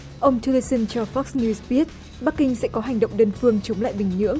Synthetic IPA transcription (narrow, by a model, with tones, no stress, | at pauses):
ʔə˧wŋ͡mtʰi˧li˧sə˧nt͡ɕɔ˧˩fɔ˦˥k̚snu˧zɓi˦˥ət̚ | ɓa˦˥k̚ːï˧ŋ̟sɛ̰˧˥kɔ˨˦ɦa˨˩jŋ̟ɗə̰˧˨wŋ͡mɗəː˧nfɨ˧əŋt͡ɕə˨˦wŋ͡mla̰ː˧˨jɓï˨˩ŋ̟ɲɨ̰˧˥əŋ